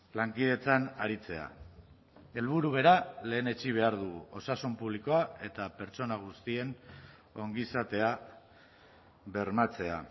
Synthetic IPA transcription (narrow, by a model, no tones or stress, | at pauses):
laŋkiðe̞t͡sanaɾit͡se̞a̰ | e̞lβuɾuβe̞ɾale̞ːne̞t͡ʃiβ̞e̞aɾðuɣṵo̞sasumpuβliko̞ae̞t̪ape̞ɾt͡so̞naɣ̞ust̪ie̞n | o̞ŋɡisat̪e̞a | βe̞ɾmat͡se̞a